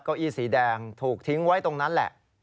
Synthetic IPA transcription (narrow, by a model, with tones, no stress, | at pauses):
ka˧˩ʔiː˧˩siː˩˦dɛː˧ŋt̪ʰuː˨˩k̚t̪ʰi˦˥ŋwa˦˥jt̪o˧ŋna˦˥nlɛ̰˨˩ʔ